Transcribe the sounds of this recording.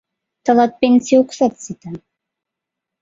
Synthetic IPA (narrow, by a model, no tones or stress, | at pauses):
t̪ɤlɑt̪̚penʲsʲijuksɑt̪sit̪a